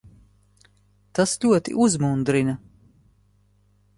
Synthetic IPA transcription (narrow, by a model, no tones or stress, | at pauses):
t̪asʎʲuɔt̪ḭʔuzmund̪ɾina